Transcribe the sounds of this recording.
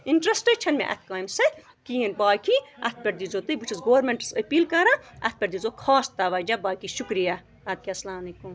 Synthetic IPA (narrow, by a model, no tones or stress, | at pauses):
iɳʈɾɐsʈet͡ʃʰɐnmḛ̃ʔɐ̰t̪̚ʰkaːjmsɐ | kiːɐnbaːkiɐt̪̚ʰpʲɐʈd̪izoːt̪ɨbut͡ʃʰisɡoːɾmeɳʈsɐpiːlkɐɾaɐ̰t̪̚pʲɐɾd̪izokʰaːst̪ɐʋɐːd͡ʒabaːkiʃukɾija | ɐd̪̚kʲaslaːmɐlekum